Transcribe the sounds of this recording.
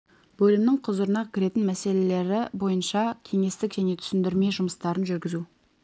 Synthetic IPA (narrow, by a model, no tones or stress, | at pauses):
b̥ɵlɪmnɪŋqʰʊzʊɾənɑkʲʰɪɾe̞t̪ɪnmæse̞le̞le̞ɾɪbo̞jənʃɑkʲʰe̞ŋe̞st̪ɪkʒ̥æne̞t̪ʰʏ̥sɪnd̪ɪɾme̞ʒʊməst̪ɑɾənʒʏɾɡʲɪzu